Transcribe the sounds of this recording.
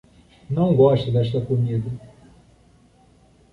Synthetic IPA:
nɐ̃w̃ɡɔʃt̪ɐd̪ɛʃt̪ɐkomid̪ɐ

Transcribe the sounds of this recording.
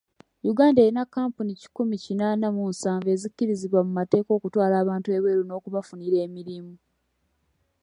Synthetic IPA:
juɡaːndae̞ɾinakːaːmpunici̥kumicinaːnamunsaːɱve̞ːzicːiɾiziβwamumate̞ːko̞ːkutwaːlaːβaːntue̞βwe̞ːɾuno̞ːkuβafuniɾe̞ːmiɾimu

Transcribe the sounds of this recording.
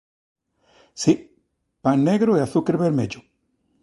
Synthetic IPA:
si | paŋneɣɾoeaθukeɾβeɾmeʎo

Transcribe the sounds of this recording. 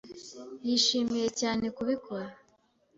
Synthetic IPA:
jiʃiːmije̞caːne̞kuβikʰoɾa

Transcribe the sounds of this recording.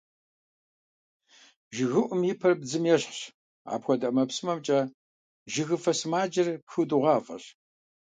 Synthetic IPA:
ʒɪɣɨʔʷʊmjɪpʰɐrbzɨmjɛɕħɕ | a̰ːpxʷɔdɐmɐpsɨmɐmt͡ʃʼɐ | ʒɪɣɨfɐsmaːd͡ʒɐrxɨdɨʁɑːfʼɐ̰ɕ

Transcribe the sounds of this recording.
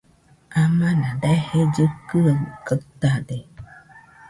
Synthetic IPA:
amãnãd̪ahed͡ʒɨkɯakət̪ad̪e

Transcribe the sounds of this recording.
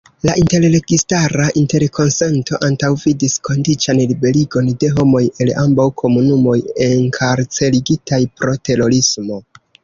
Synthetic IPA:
laʔinte̞ɾle̞ɡistaɾaʔinte̞ɾkʰo̞nse̞nto̞ʔantawvidisko̞ndit͡ʃanlibe̞liɡo̞nde̞ɦo̞mo̞je̞lambawkʰo̞munumo̞je̞ŋkʰaɾt͡se̞liɡitajpɾo̞te̞ɾo̞ɾismo̞

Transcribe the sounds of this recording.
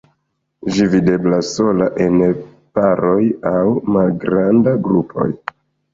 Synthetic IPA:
d͡ʒivide̞blasːo̞laʔe̞n | paɾo̞jawmalɡɾandaɡɾupʰo̞̰j

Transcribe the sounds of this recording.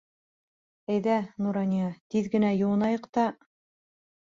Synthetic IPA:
æjðænuɾɑnʲijɑt̪iðɡɘ̆næjŭwɤ̆nɑjɤqt̪ɑ

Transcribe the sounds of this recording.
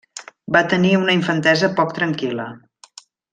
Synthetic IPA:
bat̪əniunəiɱfənt̪ɛzəpɔk̚t̪ɾəŋkilə

